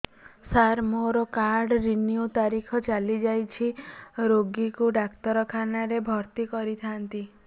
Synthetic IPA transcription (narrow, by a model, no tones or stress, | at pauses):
saɾmoɾɔkaɾɽɾiniut̪aɾikʰɔt͡ʃalid͡ʒajt͡ʃʰiɾoɡikuɖakt̪ɔɾɔkʰanaɾebʱɔɾt̪ikɔɾit̪ʰant̪i